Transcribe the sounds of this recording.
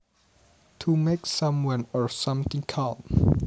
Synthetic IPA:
tʰumeksãmwãnɔsãmt̪ɪ̃ŋkʰãm

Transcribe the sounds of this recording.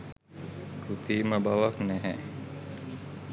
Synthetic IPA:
ɾut̪iːməbaʋaknæɦɛ

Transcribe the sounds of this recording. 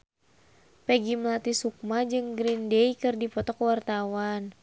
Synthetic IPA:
pɛɡiməlat̪isuk̚mad͡ʒɨŋɡɾindeikɨrdipɔt̪ɔkwart̪awan

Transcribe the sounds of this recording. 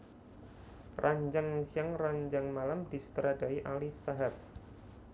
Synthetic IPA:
rʔaɲd͡ʒaŋsijaŋraɲd͡ʒaŋmalamd̪i̤su̥t̪ɾada̤iʔalisaɦap̚

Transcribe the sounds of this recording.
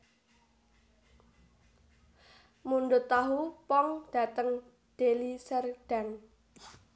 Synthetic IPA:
munɖʊt̪aɦupɔŋd̪̥ä̤t̪əŋ | d̪̥elisərɖ̥a̤ŋ

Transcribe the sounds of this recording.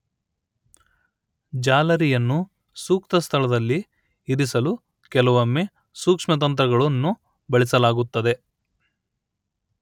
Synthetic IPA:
d͡ʒaːlɐɾijɐnːu | suːkt̪ɐst̪ʰɐɭɐd̪ɐlːiː | ɾisɐlu | kɛlɐʋɐmːe | suːkʂmɐt̪̬ɐnt̪̬ɾɐɡɐɭɐnːu | bɐɭisɐlaːɡut̪ːɐd̪e̞

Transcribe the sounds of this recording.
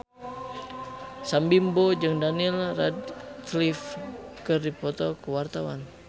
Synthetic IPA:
sambimbod͡ʒɨŋdanilradklifkərdipɔt̪ɔkəwart̪awa̰n

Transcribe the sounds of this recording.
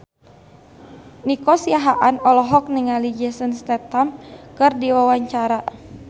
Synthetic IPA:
nikɔsiaɦaʔanɔlɔɦɔk̚niŋalid͡ʒɛsənst̪ɛt̪amkɨrdiwawaɲt͡ʃaɾa

